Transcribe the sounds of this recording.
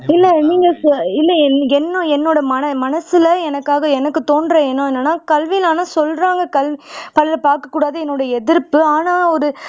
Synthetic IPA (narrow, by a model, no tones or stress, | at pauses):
ɪlːɐniːŋɡɐɪlːɐɛnɛnːõɛnːoːɽɐmɐnɐmɐnɐsɪlɐɛnɐkːaːɣɐɛnɐkːɯt̪oːnɖɾɐɛnːõːɛnːɐnːaːkɐlʋɪlaːnasɔlːɾaːŋɡɐkɐlʋipɐlɐlɐpaːɾkɐkːuːɽaːðɐɛnːoːɽɐɛðɪɾpːɯaːnaːɔɾɯ